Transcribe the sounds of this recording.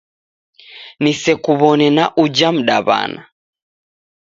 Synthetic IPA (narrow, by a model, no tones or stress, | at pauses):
nisɛkuβɔnɛnaʔud͡ʒam̩ɗaβa̰na